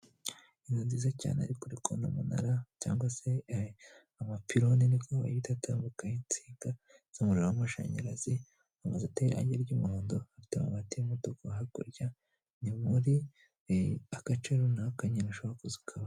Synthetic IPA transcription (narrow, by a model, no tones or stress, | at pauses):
iŋɡanziːzaca̰ːnea̰ɾikuɾikʰonumuna̰ɾaca̰ːŋɡwase | amapiɾoninikʰoβa̰jitatamukahint͡siːɡaz̥omuɾowamaʃa̰ɲa̰ɾazi | amazeuteɾa̰ɲɟeɾɟumuɾoːndohafi̥tema̰matimotokaɦako̰ɾɟa | nimuɾi | akat͡ʃeɾonahokaɲinaʃohakozi̥kʰaβa